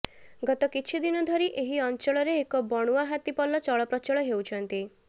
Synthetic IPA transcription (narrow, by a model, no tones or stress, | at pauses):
ɡɔt̪ɔkit͡ʃʰid̪inɔd̪ʱɔɾiʔeɦiɔnt͡ʃɔɭɔɾeːkɔbɔɽ̃uaɦat̪ipɔlːɔt͡ʃɔɭɔpɾɔt͡ʃɔɭɔɦewt͡ʃʰɔnt̪i